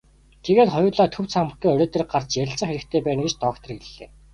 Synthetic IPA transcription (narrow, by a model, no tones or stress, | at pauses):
t̪ʰeɣeːt̪χɔjʊːɮaːt̪ʰɵwt͡sʰam̆ɡ̪uːɵɾʲɔːt̪ĕr̆k̚ɢar̥t͡ɕjæɾʲɪ̆ɬt͡sə̆ŋxeɾɘ̆k̚t̪ʰeːpæːnɡet͡ɕt̪ɔkt̪ʰɞ̆rɡeɮːḛː